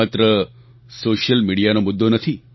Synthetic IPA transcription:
at̪ɾə | soʃjəlmiɽijanomʊd̪ːonət̪ʰi

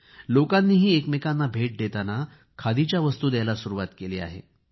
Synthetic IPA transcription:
lokanːiːɦiːekmekanːabʱeʈ̚d̪et̪ana | kʰad̪it͡ɕjaʋəst̪uːd̪jajlasuɾuʋat̪keleːa̰ɦḛ

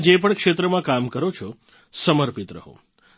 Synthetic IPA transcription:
d͡ʒepəɳkʂet̪ɾəmãkamkəɾot͡ʃʰo | səməɾpit̪ɾə̰ɦo̰

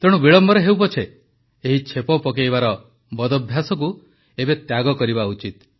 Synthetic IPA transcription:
t̪eɽ̃ubiɭɔmbɔɾeɦewpɔt͡ʃʰe | eɦit͡ʃʰepɔpɔkejβaɾɔ | bɔd̪ɔbʱjasɔk̬u | ebet̪jaɡɔkɔɾibaut͡ʃit̪̚

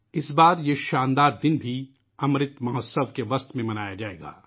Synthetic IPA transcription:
ɪsbaːɾjeʃaːnd̪aːɾd̪ɪnbʱi | ɐmɾɪt̪mɐɦɔsəʋkeʋɐst̪mẽmɐnaːjad͡ʒaːḛːɡa̰ː

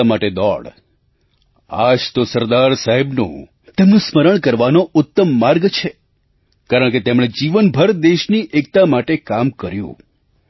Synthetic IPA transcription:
amaʈed̪ɔ̰ɽ | a̰d͡ʒt̪osəɾd̪aɾsaɦebnṵ̃ | t̪emnũsməɾəɳ̃kəɾʋanoʊt̪ːəmːaɾɡt͡ʃʰe | kaɾəɳ̃ket̪emɽ̃ed͡ʒiʋənbʱəɾd̪eʃniʔek̚t̪amaʈekamkəɾjṵ̃

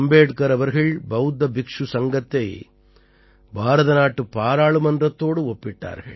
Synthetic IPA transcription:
mbeːʈkɐɾɐʋɐɾɣɐɭbɐʊd̪ɐbɪkʂusɐŋɡɐt̪ːɐɪ | bʱaːɾɐðɐnaːʈːɯpːaːɾaːɭɯmɐndrɐt̪ːoːɽɯɔpːɪʈːa̰ːɾɣɐ̰ɭ

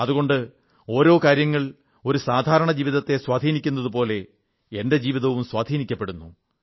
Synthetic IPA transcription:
ɐðuɣo̞ɳɖɨ | o̞ːɾo̞ːkaːɾjɐŋːɐɭ | o̞ɾusaːd̪ʱaːɾɐɳɐd͡ʑiːʋiðɐt̪ːe̞swaːd̪ʱiːnikʲːunːɐðupo̞ːle̞ | ende̞d͡ʑiːʋiðɐʋumswaːd̪ʱiːnikʲːɐpːe̞ɽunːu

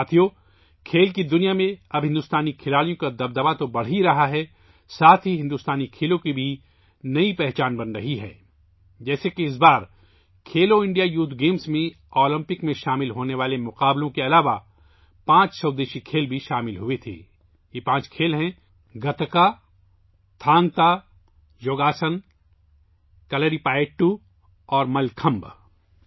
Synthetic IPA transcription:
at̪ʰijoː | kʰeːlkid̪ʊnijamẽɐbɦɪ̃nd̪ʊst̪aːnikʰɪlaːlijõkad̪ɐb̚d̪əʋat̪obɐɽ̤ɦiɾɐɦaɦɛ | saːt̪ʰɦiɦɪ̃nd̪ʊst̪aːnikʰeːlõkibʱi | nɐipɛɦt͡ʃaːnbɐnɾɐɦiɦɛ̰ː | d͡ʒɛːsekiɪs̬baːɾ | kʰeːloɪ̃ɳɖijajuːt̪ʰɡeːmsmẽ | ɔːlɪ̃mpɪkmẽʃaːmɪlɦoːneʋaːlemʊqaːblõkeɐlaːʋa | pãːt͡ʃsɐːd̪eːʃikʰeːlbʱiʃaːmɪlɦʊet̪ʰḛː | jepãːt͡ʃkʰeːlɦɛ̃ | ɡɐt̪ka | t̪ʰãːŋɡt̪a | joːɡaːsən | kɐləɾipaːɪʈːu | ɔːɾmɐlkʰɐ̃mb

